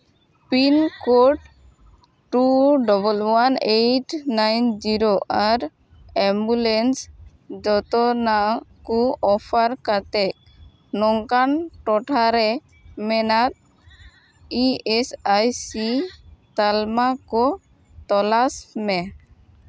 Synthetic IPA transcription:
pinkoʈ | ʈuɖɔbɔlwaneʈnajnd͡ʒiɾoʔaɾ | ɛmbulens | d͡ʒɔt̪ɔnakɔɔpʰaɾkat̪ɛk̚ | nɔŋkanʈɔʈʰaɾɛ | mɛnat̪̚ | iesajsit̪almakɔ | t̪ɔlasmɛ

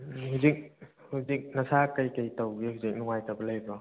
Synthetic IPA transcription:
huzik̚huzik̚nɐsakɐjkɐjtawɡihuzik̚nuŋajtabɐlɐjbɔ

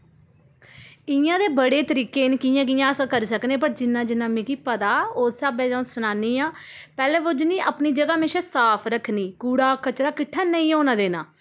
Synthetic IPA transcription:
ɪjãːd̪eːbəɽeːt̪əɾiːkeːɪnkiːjãːk̬ijãːəsãːkəɾsəknẽːpəɾd͡ʒɪnːãːd͡ʒɪnːãːmĩːkiːpət̪aːoːsaːbɛ̃ːd͡ʒãsʊnaːniːaːpɛːlɛːʋʊd͡ʒniːʔaːpniːd͡ʒəɡaːmeːʃãːsaːpʰɾəkʰniːkuːɽaːkət͡ʃɾaːkɪʈʰːaːnəĩːoːnãːd̪eːnaː

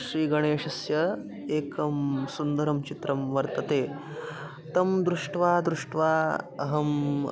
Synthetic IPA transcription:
ʃɾiːɡɐɽ̃eːʂɐsjɐ | eːkɐmsund̪ɐɾɐmt͡ʃit̪ɾɐmʋɐɾt̪ɐt̪eː | t̪ɐmd̪ɾuʂʈʋaːd̪ɾuʂʈʋaːɐ̰ɦɐm

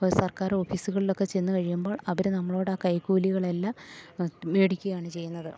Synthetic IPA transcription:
sɐrkaːɾo̞ːfiːsuɣɐɭilo̞kːe̞t͡ɕe̞nːukɐɻijumbo̞ːɭɐʋɐɾnɐmːɐɭoːɽaːkɐjkːuːliɣɐɭelːɐ | ʋeːɽikʲːujaːɳɨt͡ɕe̞jːunːɐðɨ

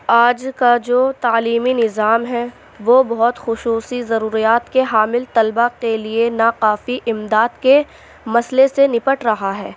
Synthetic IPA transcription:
aːd͡ʒkad͡ʒoːt̪aːliːminɪzaːmɦɛ | ʋoːbɐɦʊt̪xʊʃuːsizɐɾuːɾijaːt̪keɦaːmɪlt̪ɐlbakelienaqaːfiʔɪmd̪aːd̪ke | mɐslesenɪpəʈɾɐɦaɦɛː

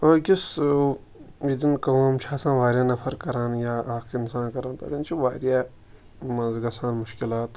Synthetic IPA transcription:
ɐɡis | jid̪inkɐwmt͡ʃʰaːsãːʋaːɾʲjaːnɐfɐɾkɐɾãːnjaːʔaːkʰinsãːnkɐɾãːnt̪ɐ̰ɾint͡ʃʰiʋaːɾjaː | mɐ̃zɡɐsãːnmʊʃkɪlaːt̪

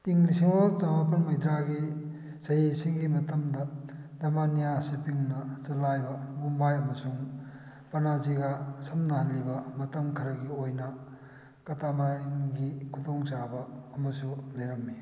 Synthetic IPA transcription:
iŋlisiŋɔt͡ʃawap̬ɐnmɐjd̪ɾaɡi | sɐjesiŋɡimɐtɐmdɐdɐmanijasipiŋnɐt͡ʃɐlajbɐbumbajɐmɐsuŋ | pɐnaziɡasɐmnɐhɐlːibɐmɐtɐmkʰɐɾɐɡiojnɐ | kɐtamaɾiŋɡikʰutoŋt͡ʃabɐːmɐsubeɾɐmːi

